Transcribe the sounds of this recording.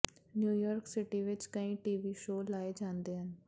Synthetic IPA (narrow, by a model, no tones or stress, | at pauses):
njuːjɔːɾksɪʈiːʋɪt͡ʃkəĩːʈiːʋiːʃoːlaːeːd͡ʒãːnd̪eːɦən